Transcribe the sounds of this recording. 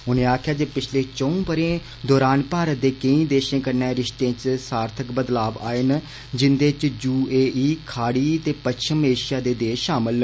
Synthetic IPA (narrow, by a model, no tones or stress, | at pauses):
ʊnẽːaːkʰjaːd͡ʒeːpɪt͡ʃʰleːt͡ʃəũːbəɾẽː | d̪ɔːɾaːnpaːɾət̪̚d̪eːkəĩːd̪eːʃẽːkəɾnɛ̃ːɾɪʃt̪ẽːt͡ʃsaːɾt̪ʰəkbəd̪laːba̰ːen | d͡ʒɪnd̪eːt͡ʃd͡ʒuːeːʔiːkʰaːɽiːt̪eːpətːʃʰəmeːʃaːd̪eːd̪eːʃʃaːmɪl